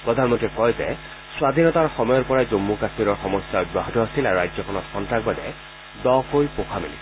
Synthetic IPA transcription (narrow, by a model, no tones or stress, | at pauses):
pɹɔd̪ʱanmɔntɹikɔjzɛ̰ | sʊwad̪ʱinɔtaɹxɔmɔjɔɹpɔɹajzomːukasmiɾɔɹxɔmɔsjaɔj̚baɦɔtɔɦasilaɹuɹajzɔkʰɔnɔtxɔntɹak̚babɛ | dɔkojpokʰamini